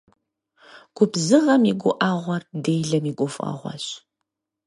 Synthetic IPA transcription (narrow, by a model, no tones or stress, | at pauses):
ɡ̥ʷʊbzɨʁɐmiɡʷʊʔaːʁʷɔrdeːjɮɐmiːɡʷʼɔfʼa̰ːʁʷɔ̰ɕ